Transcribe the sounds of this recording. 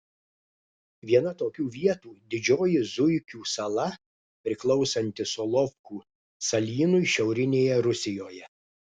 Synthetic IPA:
ʋʲiɛnɐt̪oːkʲuːʋʲiɛt̪uːd̪ʲɪd͡ʒʲoːjɪzʊjkʲuːsɐlˠɐ | pʲɾʲɪklˠɒʊsɐnʲt̪ʲɪsɔlˠɔfkuː | sɐlʲiːnʊjʃʲɛʊɾʲɪnʲeːjɛɾʊsʲɪjoːjɛ

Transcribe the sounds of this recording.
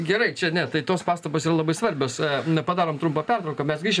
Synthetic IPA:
ɡʲɛɾɐɪt͡ʃʲɛnʲɛt̪ɐɪt̪oːspɑːst̪ɐpoːsiːrɐlˠɐbɐɪsʋɐɾʲbʲoːsnpɐd̪ɑːɾoːmt̪ɾʊmpɐpʲɛrt̪ɾɐʊkɐmʲɛsɡɾʲiːʃʲ

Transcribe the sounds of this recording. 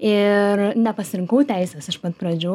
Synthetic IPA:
ɪɾnʲɛpɐsʲɪɾʲɪŋkɐʊt̪ʲæɪsʲɛsɐʃpɐt̪pɾɐd͡ʒʲo

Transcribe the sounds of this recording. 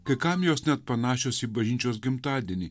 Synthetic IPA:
kɐkamʲjosnʲɛt̪̚pɐnaːʃosibɐʒinʲt͡ʃos̬ɡimt̪aːd̪ini

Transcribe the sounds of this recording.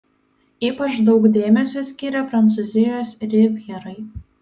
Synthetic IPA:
iːpɐt͡ʃd̪ɒʊɡd̪ʲeːmʲɛsʲusʲkʲiːɾʲɛpɾɐnt̪suzʲɪjoːsɾʲɪʋʲjɛɾɐɪ

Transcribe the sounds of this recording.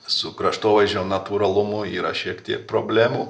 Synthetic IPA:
sʊkɾɐʃt̪oːʋɐʒʲonɐt̪uːɾɐlˠʊmʊiːɾɐ̰ʃʲiɛkt̪ʲiɛk̚pɾoːbʲlʲæːmuː

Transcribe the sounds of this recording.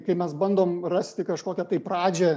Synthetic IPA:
kɐɪmʲɛsbɐnd̪oːmrɑsʲt̪ʲɪkɐʃkoːkʲɛt̪ɐɪpɾɑːd͡ʒʲɛ

